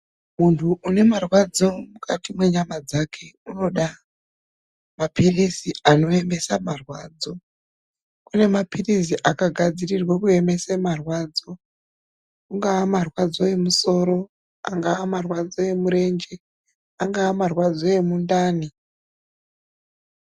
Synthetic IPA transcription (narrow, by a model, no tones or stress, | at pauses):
muntʰuʔune̞marwad͡zo̞mukʰatimwe̞ɲamad͡zakʰe̞uno̞ɗa | mapirisiano̞e̞mbe̞samarwaːd͡zo̞ | kune̞mapiris̬iʔakaɡʱad͡zirirwakue̞me̞semarwaːd͡zo̞ | kuŋɡaːmarwad͡zo̞e̞muso̞ɾo̞ | a̰ŋɡaamarwad͡zo̞e̞muɾe̞nd͡ʒe | aŋɡaːmarwad͡zo̞e̞mundaːni